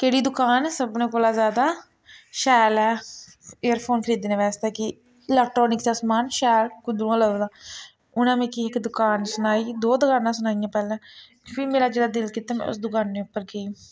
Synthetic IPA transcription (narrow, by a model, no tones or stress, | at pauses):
keːɽiːd̪ʊkaːnsəbnẽːkoːlaːzjaːd̪aː | ʃɛːlɛː | eːəɾpʰoːnkʰəɾiːd̪eːnẽːʋɛːst̪ɛːkɪ | lɛːk̚ʈːoːnɪksaːsmaːnʃɛːlkʊd̪ɾũãːləd̪aː | ʊnãːmẽːkiɪkd̪ʊkaːnsʊnaːiːd̪oːd̪əkaːnãːsʊnaːijãːpɛːlɛ̃ː | pʰiːmeːɾaːd͡ʒeːɽaːd̪ɪlkiːt̪aːmɛ̰̃ʊ̰sd̪ʊkaːnːeːʊpːəɾkeiː